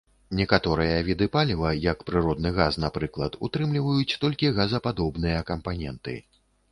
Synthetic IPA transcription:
nʲɛkat̪ɔɾɨjɐvʲid̪ɨpalʲivɐjɐkpɾɨɾɔd̪nɨɣasnapɾɨklˠɐt̪ṵt̪ɾɨmlʲivɐjut͡sʲt̪ɔlʲkʲiɣɐzɐpad̪ɔbnɨjɐkɐmpanʲɛnt̪ɨ̰

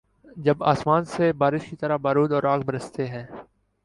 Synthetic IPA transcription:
d͡ʒɐbaːsmaːnsebaːɾɪʃkit̪əɾabaːɾuːd̪ɔːɾaːɡbəɾəst̪eɦɛ̃ː

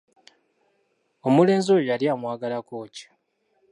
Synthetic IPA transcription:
omule̞ːnzojaljaːmwaːɡalakoːci̥

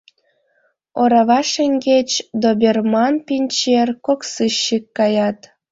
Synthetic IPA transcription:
oɾɑβɑʃeŋʲɡet͡ɕd̪obʲermɑnpʲinʲt͡ɕerkoksɨɕːikːɑjɑt̪

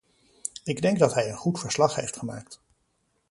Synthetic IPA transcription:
ɪɡdɛŋɡdɑtɦɛjənχutfəɹslɑχɦejftχəmaːk̚t

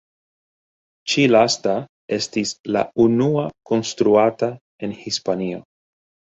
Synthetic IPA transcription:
t͡ʃilasta | e̞stisla̰unuako̞nstɾuata | e̞nhispanio̞̰

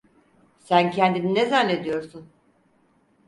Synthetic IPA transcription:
sæncʰɛnd̪ininezanːe̞d̪ijo̞ɾsun

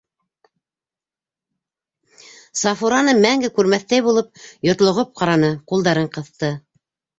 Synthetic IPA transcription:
sɑfuɾɑnɤmæŋɡɘkʉɾmæθt̪æjβulˠɤp̚jŏɾt̪lˠŏʁɤp̚qɑɾɑnɤqulˠd̪ɑɾɤɴqɤ̆θt̪ɤ

